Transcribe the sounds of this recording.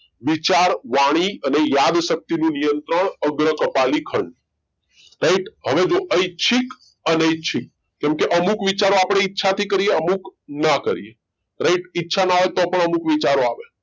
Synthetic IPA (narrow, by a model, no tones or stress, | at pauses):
ʋit͡ʃaɾʋaɽ̃iənejad̪ʃək̚t̪inũnijənt̪ɾəɳəɡɾəkəpalikʰəɳɖ | ɾaiʈɦəʋed͡ʒoʔəit͡ʃʰik | əneəit͡ʃʰik̚ | kɛ̃mkeʔəmukʋit͡ʃaɾoapɽ̃eitːʃʰat̪ʰikəɾieəmuknakəɾḭe | ɾaiʈitːʃʰanaaʋet̪opəɳəmukʋit͡ʃaɾoaʋe